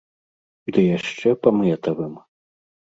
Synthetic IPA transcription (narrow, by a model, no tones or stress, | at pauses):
d̪ɨjaʂt͡ʂɛpɐmɛt̪ɐvɨm